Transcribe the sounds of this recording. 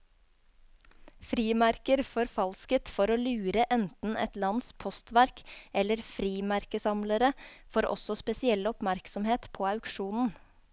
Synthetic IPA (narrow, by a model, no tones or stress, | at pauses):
fɾiːmæɾkəɾfɔɾfɑlskət̪fɔɾoːlʉːɾəʔɛnt̪n̩ʔɛ̰t̪lɑnspʰɔst̪ʋæɾkɛlːəɾfɾiːmæɾkəsɑmləɾəfoːɾʔɔ̰sɔspɛsɪɛlɔpmæɾksɔmheːt̪pʰoːɑʉkʂuːnn̩